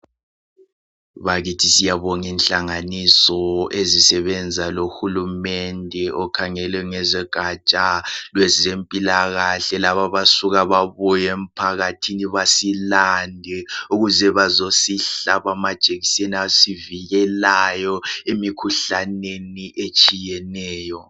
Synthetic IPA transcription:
βaɣitʰisijaβɔŋinɬaŋanisɔezisɛβɛnd͡zʱaloxulumɛndʱɛʔɔkʰaŋɛlɛŋɛzɛɡ̥ʱat͡ʃʼalwɛzempʼilaɣaɬɛlaβaβasuɣaβaβujem̩pʰaɣatʰiniβasilandʱɛuɣuzɛβazosiɬaβamad̥ʒ̥ʱʼeɣiseniasiviɣɛlajɔemikʰuɬaneniʔet͡ʃʼijɛnɛːjɔ

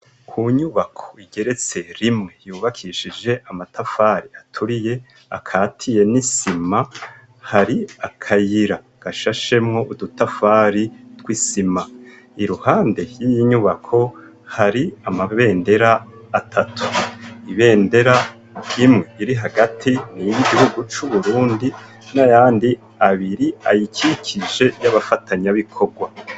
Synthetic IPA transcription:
kʰuɲuβakʰo̞̥iɡe̞ɾe̞t͡se̞ɾimŋe̞juːβakʰiʃid͡ʒe̞ʔamatafaːɾiatʰuɾije̞ | a̰kʰaːtʰije̞nisima | haɾiakʰajiɾa | ɡ̥aʃaʃe̞mŋoʔudutafaːɾitwisima | iɾuhaːnde̞jijiɲuβakʰo̞ | haɾiamaβe̞ːnde̞ɾaːtʰatu̥iβe̞ːnde̞ɾa | imŋeiɾiɦaɡatʰinijiɡiɦuɡut͡ʃuβuɾuːndi | najaːndi | aβiɾia̰jikʰikʰiʒe̞jaβafataɲaβikʰo̞ɡwa

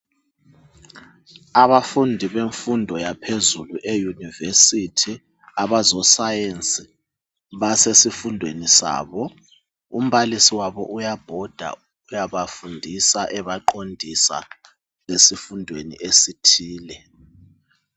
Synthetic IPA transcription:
aβafundʱiβeɱfundʱɔjapʰezuluʔejunivesitʰi | aβazɔsajent͡sʼi | βasesifundʱwenisa̰ːβɔ | um̩βalisiwaβɔ̰ʔujab̥ʱɔd̥ʱa̰ | ujaβafundʱisaʔɛβaǃondʱisa̰ | βesifundʱwenḭʔesitʰiːlɛ

